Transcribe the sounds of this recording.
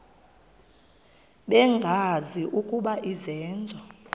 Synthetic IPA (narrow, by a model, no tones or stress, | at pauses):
ɓɛŋɡʱaziʔukʼuɓaʔizɛːnd͡zʱɔ